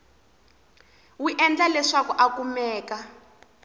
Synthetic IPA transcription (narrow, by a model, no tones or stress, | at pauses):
wuʔɛnd͡ɮalɛʂakuʔakumɛːka